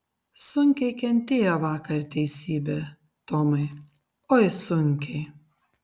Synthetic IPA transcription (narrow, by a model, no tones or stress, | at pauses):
sʊŋʲkʲɛɪkʲɛnʲt̪ʲeːjoʋɑːkɐɾt̪ʲɛɪsʲiːbʲeː | t̪oːmɐɪ | oːjsʊŋʲkʲɛɪ